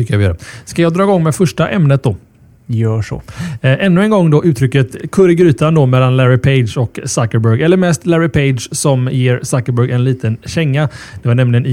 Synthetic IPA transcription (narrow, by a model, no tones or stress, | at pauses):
ʏkːavɪjœ̰ːɾəskajɑːɡd̪ɾɑːɪɡɔŋːmɛfœʂʈaʔɛmnət̪̚d̪ɔ | jœːʂɔ̰ʔɛnːɵɛnɡɔŋːd̪ɔʔʉ̟ːt̪ʰːɾʏkːət̪kʰɵɾɡɾyːt̪and̪ɔmɛlːanlæɾɪpʰeɪd̪ʂɔksakəɾbœɾɡɛlːəɾmɛst̪læɾɪpʰeɪd̪ʂsɔmjeːɾsakəɾbœɡɛnliːt̪ənɕɛŋːad̪̥ɛvaɳɛmlɪɡənɪ